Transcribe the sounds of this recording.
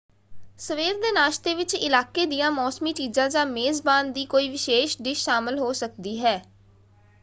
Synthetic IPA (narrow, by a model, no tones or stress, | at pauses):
səʋeːɾd̪eːnaːʃt̪eːʋɪt͡ʃɪlaːkeːd̪ijãːmɔːsmiːt͡ʃiːzãːd͡ʒãːmeːzbaːnd̪iːkoːiːʋɪʃeːʃɖɪʃːaːmɪlɦoːsək̚d̪iːɦɛː